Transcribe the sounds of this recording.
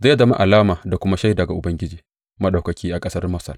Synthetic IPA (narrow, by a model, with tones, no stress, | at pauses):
za˦ja˦zɐ˦ma̰˦ʔa˨laː˦maː˨da˨kʷʊ˦ma˦ʃa˦jdɐ˨ɡa˨ʔʊ˨bɐ˦ŋɡʲɪ˦d͡ʒiː˨ | mɐ˦ɗa˨wkɐ˨kʲʰiː˦ʔa˨kʼɐ˦sɐ˦rmɐ˦sɐ̰˨r